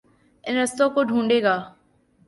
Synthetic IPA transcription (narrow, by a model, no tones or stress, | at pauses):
ɪnɾəst̪õːkoːɖʱũːɳɖeːɡaː